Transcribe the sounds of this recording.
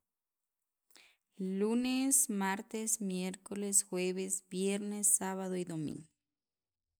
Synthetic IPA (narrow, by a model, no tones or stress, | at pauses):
lunesmaɾt̪esmjeɾkolesxweβesbjeɾnesːaβaðoiðomḭ̃ŋɡoo